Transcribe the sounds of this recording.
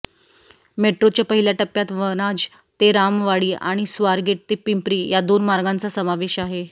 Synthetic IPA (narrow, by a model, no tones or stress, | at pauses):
meʈɾot͡ɕjapəɦiljaʈəpːjat̪ʋəñad͡z | t̪eɾamʋaɽiːʔa̰ɽ̃isʋaɾɡeʈ̚t̪epimpɾiːjad̪onmaɾɡãnt͡sasəmaʋeɕaɦe